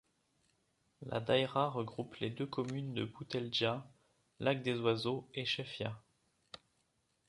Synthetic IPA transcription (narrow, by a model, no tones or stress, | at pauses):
la̰d̪ajʁaʁəɡʁupled̪økɔmynd̪əbut̪ɛlʒa | lak̚d̪ezwazoeʃɛfja